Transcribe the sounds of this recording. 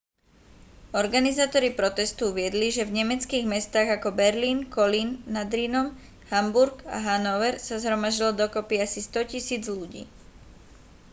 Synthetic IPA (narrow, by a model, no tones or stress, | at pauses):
ɔɾɡanizaːt̪ɔɾipɾɔt̪ɛst̪uuʋɪɛd̪liʒɛvɲɛmɛt͡skiːɣmɛst̪aːɣakɔbɛɾliːnkɔliːnːad̪ɾiːnɔm | hambuɾɡa̰ɦanɔʋɛɾsazɦɾɔmaʒɟild̪ɔkɔpiasist̪ɔcisiːd͡zluɟḭː